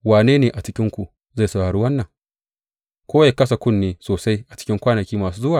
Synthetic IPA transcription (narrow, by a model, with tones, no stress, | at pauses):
waː˨neː˦neː˨ʔa˨t͡ʃɪ˦kʲɪ˦ŋkʷu˨ | za˦˨sʊ˦˨aː˨ɽu˦wɐ˦nːɐ˨ŋ | kʷoː˦ja˦˨kɐ˦s̬a˨kʷʊ˦˨nːeː˨soː˨sa˦jʔa˨t͡ʃɪ̥˦kʲɪ˦ŋkʷaː˦nɐ˨kʲiː˦maː˨suː˦zʊ˦waː˨